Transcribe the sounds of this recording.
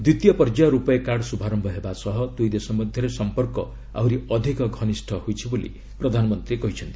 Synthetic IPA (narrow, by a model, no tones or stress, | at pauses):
d̪wit̪jɔpɔɾd͡ʒaɾupɔekaɽsubʱaɾɔmbʱʌɦebasʌɦɔt̪ujd̪esɔmɔd̪ʱjʌɾesɔmpɔrkɔ | a̰wɾiɔd̪ʱikɔɡʱʌnisʈʰɔhojt͡ʃʰibolḭ | pɾɔd̪ʱanɔmɔnt̪ɾikɔɦit͡ʃʰʌnt̪i̥